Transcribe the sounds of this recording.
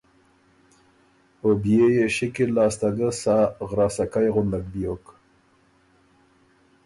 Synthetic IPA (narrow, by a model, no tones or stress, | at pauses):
objejeʃɪkilɑːst̪aɡəsaɣɾɑːsakajɣʊnd̪ak̚bjok